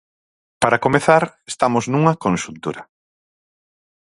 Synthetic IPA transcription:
paɾakomeθaɾest̪amoznuŋɐkõnsunt̪uɾɐ

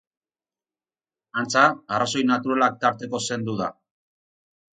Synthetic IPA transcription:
ant͡saːraso̞jnat̪uɾalak̚t̪aɾt̪e̞ko̞se̞nd̪uða̰

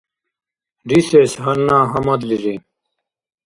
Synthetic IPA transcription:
ɖisesɦɐɾnãːɦɐmɐd̪liɾi

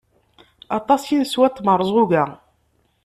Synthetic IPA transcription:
ɑt̪ˤɑsjinswæt̪ˤːməɾˤəzˤʁuɣæ

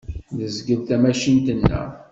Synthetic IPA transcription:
ðəzɡəðt̪æmæʃint̪ənːə̰

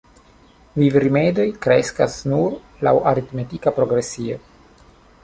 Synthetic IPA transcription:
vivɾime̞do̞jkɾeskasnuɾ | la̰wʔaɾit̪metikapɾo̞ɡɾe̞sio

